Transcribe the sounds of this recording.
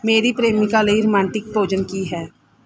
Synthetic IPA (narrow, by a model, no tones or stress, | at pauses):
meːɾipɾeːmikaləiɾʊmãːɳʈɪk̚boːd͡ʒənkiɦɛː